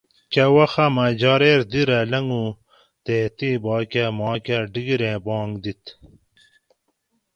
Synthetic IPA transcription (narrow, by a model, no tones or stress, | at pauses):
kɐwɐxɐmad͡ʑɑːɾeːɾd̪iɾɐlɐŋɡu | t̪eːt̪ibɑːkɐmɑːkʲɐɖiɡiɾẽbɑ̃ːŋɡd̪it̪